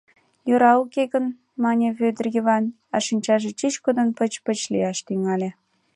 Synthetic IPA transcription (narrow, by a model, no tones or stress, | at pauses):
joɾɑukeɣən | mɑnʲeβød̪ərjəβɑn | ɑʃinʲt͡ɕɑʒet͡ɕit͡ɕkod̪ənpə̆t͡ɕpət͡ɕliɑʃt̪yŋɑlʲĕ